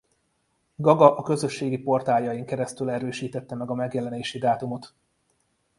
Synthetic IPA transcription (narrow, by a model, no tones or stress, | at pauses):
ɡɒɡɒʔɒkø̞zø̞ʃːeːɡipo̞rt̪aːljɒjiŋkɛɾɛst̪ylɛɾøːʃiːt̪ɛt̪ːɛmɛɡɒmɛɡjɛlɛneːʃid̪aːt̪umo̞t̪